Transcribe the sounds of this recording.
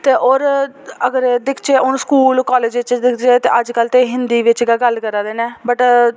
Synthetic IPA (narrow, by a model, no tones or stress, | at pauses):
t̪eːʔoːɾəɡəɾd̪ɪkʰt͡ʃeːʊnskuːlkɔːleːd͡ʒʋɪt͡ʃd̪ɪkʰt͡ʃeːt̪eːʔəd͡ʒkəlt̪eːɦɪnd̪iːʋɪt͡ʃɡəɡəlkəɾaːd̪eːnẽːbəʈ